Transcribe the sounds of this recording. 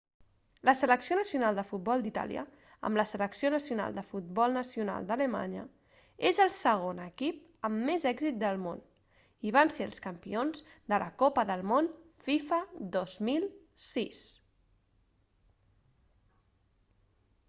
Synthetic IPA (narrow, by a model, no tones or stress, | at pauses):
ləsələksionəsiunalˠd̪əfut̪̚bɔlˠd̪it̪a̰lḭə̰ | ə̰mləsələksionəsiuna̰lˠd̪əfut̪̚bɔlˠnəsiuna̰lˠd̪ələma̰ɲə̰ | ezəlˠsəɣ̞onəkip̚ | əmːezɛɡzit̪̚d̪əlˠmon | iβ̞anseə̰lˠskəmpionzd̪ələkopəðəlˠmonfifəd̪ozmilˠ | sis